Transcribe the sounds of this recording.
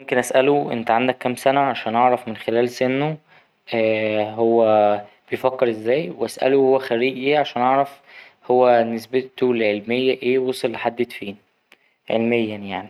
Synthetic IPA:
momkenʔæsʔæloʔḛnt̪æʕand̪ækːæmsænæʕaʃæːnʔɑʕɾˤɑfmenxelæːlsenːo | ʔæːɦowːæ | b̥ejfækːeɾʔezːæːjweʔæ̰sʔæ̰lohowːæxæɾiːʔiʕaʃæːnʔɑʕɾˤɑf | howːænesbet̪ulʕelmejːæʔeːwɑsˤelːħad̪ːet̪fiːn | ʕḛlmejːænjaʕni

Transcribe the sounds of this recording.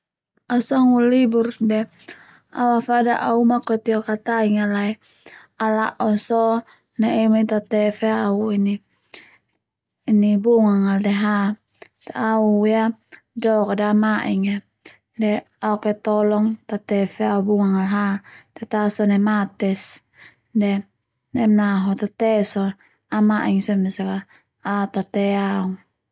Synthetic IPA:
asɔŋuliburdɛ | auafadaʔaumakɔt̪iɔkat̪aiŋalaɛ | alaʔɔsɔ | neɛmit̪at̪ɛfeauini | nibuŋaŋaldɛɦa | t̪auja | dɔkadaamaʔiŋa | dɛ | auket̪ɔlɔŋt̪at̪ɛfeaubuŋaŋalɦat̪ɛt̪asɔnɛmat̪ɛs | dɛ | nɛmnaɦɔt̪at̪ɛsɔ | amaʔiŋsɔmisaka | aut̪at̪ɛauŋ

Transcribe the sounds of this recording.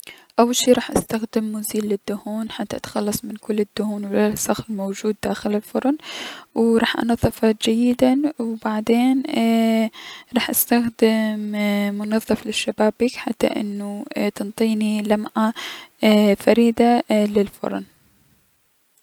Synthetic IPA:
ʔawːalʃiːɾˤɑːħʔast̪axd̪ɪmːʊziːlːɪd̪ːʊhuːnħat̪ːaʔa̰t̪xɑlːɑsˤmɪnkʊlːɪd̪ːʊhuːnwlasˤɑxlmowd͡ʒuːd̪ːaːxɪlɪlfʊɾˤnwɾˤɑːħʔɑ̰nɑðˤːɨfɑd͡ʒajːɪd̪anwbaʕd̪eːn | ɾˤɑːħʔast̪axd̪ɪmːʊnɑðˤːɨflɪʃːabaːbːikħat̪ːa̰ʔɪ̰nːut̪ɨnt̪ˤiːnilamʕa | faɾiːd̪alɪlfʊ̰ɾˤn

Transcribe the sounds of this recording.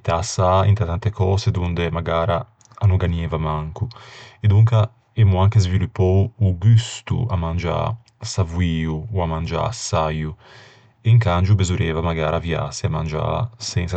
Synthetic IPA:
t̪asaḭnt̪at̪ant̪ekɔːsed̪und̪emaɡaːɾaː | nuɡanjɛːvamaŋkued̪uŋka | emuaŋkezvilupːɔwuɡyst̪ṵamand͡ʒa̰ | savuiːuːamand͡ʒa̰saju | eiŋkand͡ʒubezuɾeːvamaɡaːɾʔavja̰seamand͡ʒa̰sɛnsa

